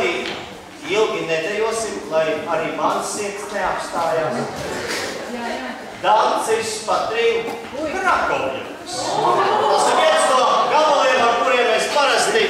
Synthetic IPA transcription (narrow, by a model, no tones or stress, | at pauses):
ɾiː | ilˠɡʲinɛd̪ɛjuɔsimlˠajaɾiːmansiɛt̪sneapst̪aːjaːs | d̪ansispat̪ɾiː | ɾakɔlḭkst̪asiɾviɛst̪uɔɡalolˠiɛt̪aɾkuɾiɛmːɛspaɾast̪i